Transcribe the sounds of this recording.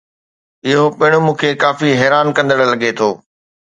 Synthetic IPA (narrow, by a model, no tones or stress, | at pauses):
ɪɦopɐɦɪɽ̃omũːkʰekaːfiɦɛːɾaːnkɐ̃nd̪əɽə̆lɐɡet̪ʰoː